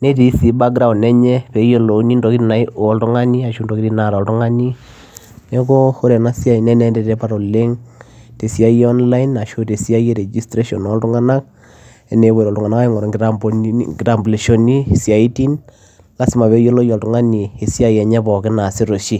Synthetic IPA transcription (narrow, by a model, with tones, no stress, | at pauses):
ne˦ti˦si˨˦ba˦ɡɾa˨wnɛ˦ɲɛ˦pe˨jo˦lo˨˦ni˦ndo˨ki˦ɾi˦na˨i˦o˨˦ltu˦ŋa˦ni˦a˨ʃu˦ndo˨ki˦ɾi˦na˨ɾa˨ltu˦ŋa˦ni˦ | ne˦ko˦ho˦ɾe˨na˦sja˦i˨nɛ˦nɛ˦ndɛ˦tɛ˦pa˦ɾo˨le˦ŋ | te˨sja˦jeɔ˦nla˦inːa˨ʃo˦te˨sja˦je˦ɾe˨d͡ʒi˦stɾe˦ʃɔ˨no˨˦ltu˦ŋa˦na˦k̚ | e˨ne˨βwe˨ɾo˨ltu˨ŋa˨na˦ka˦i˦ŋɔ˨ɾɔ˨abɡi˨ɾa˨mbule˨ʃo˦ni˦˨sja˨i˦ti˦n | la˨˦si˦ma˨βe˨˦jo˦lo˦jɔ˨ltu˨ŋa˦ni˨e˨sja˦˨jɛ˨ɲɛ˦βɔ˨ke˦na˨si˦ɾo˨ʃi˦